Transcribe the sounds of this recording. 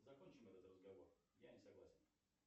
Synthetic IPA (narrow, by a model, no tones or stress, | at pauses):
zɐkonʲt͡ɕɪmɛt̪ət̪rəzɡɐvo̞rjanʲɪsɐɡlˠa̰sʲɪn